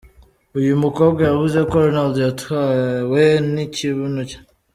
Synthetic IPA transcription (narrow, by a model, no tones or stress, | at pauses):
ujumukoɡojaβuzekoɾonaldjathaweniciβunucḁ